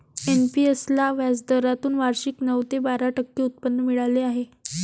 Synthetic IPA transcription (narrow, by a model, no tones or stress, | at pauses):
enpiəslaʋjat͡sd̪əɾat̪uːnʋaɾɕiknəʋt̪ebaɾaʈəkːiːut̪̚pənːəmiɭaleaɦe